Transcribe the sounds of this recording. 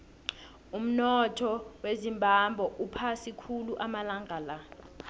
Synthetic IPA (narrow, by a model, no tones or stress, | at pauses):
um̩nɔtʰɔwezimbʱambʱɔʔupʰasikʰuluʔamalaŋʱala